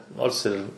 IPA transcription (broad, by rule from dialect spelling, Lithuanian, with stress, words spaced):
ˈnoːrs ɪr